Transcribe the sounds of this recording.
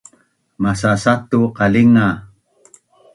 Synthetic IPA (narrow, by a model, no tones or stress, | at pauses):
masasat̪uqaliŋa